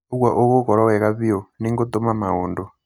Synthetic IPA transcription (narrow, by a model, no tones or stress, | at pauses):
uɡwaʔukɔkɔɾɔwɛkaɸiɔniŋɡɔt̪ɔmamaɦuːndɔ